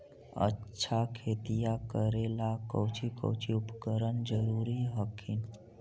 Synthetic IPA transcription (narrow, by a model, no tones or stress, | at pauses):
ə̰ːʃʰakʰet̪ijakəɾelakəwt͡ʃʰikə̰wt͡ʃʰiupkəɾənd͡ʒəɾuːɾiɦəkʰin